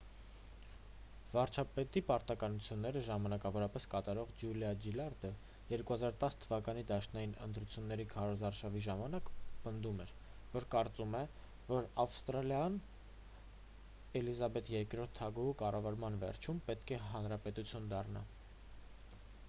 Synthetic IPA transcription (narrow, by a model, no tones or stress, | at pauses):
vɑɾt͡ʃʰɑpɛt̪ipɑɾt̪ɑkɑnut͡sʰjunːɛɾəʒɑmɑnɑkɑvɔɾɑpɛskɑt̪ɑɾɔʁd͡ʒjuljɑd͡ʒilɑɾd̪ə | jɛɾkuhɑzɑɾt̪ɑst̪ʰəvɑkɑnid̪ɑʃnɑjinə̰nt̪ɾut͡sʰjunːɛɾikʰɑɾɔzɑɾʃɑviʒɑmɑnɑkpənd̪umɛɾ | vɔɾkɑɾt͡sumɛ | vɔɾɑfst̪ɾɑljɑn | ɛlizɑbɛt̪jɛɾkɾɔɾt̪ʰːɑɡuukɑrɑvɑɾmɑnvɛ̰ɾt͡ʃʰumpɛt̪kʰɛɦɑnɾɑpɛt̪ut͡sʰjund̪ɑrnɑ̰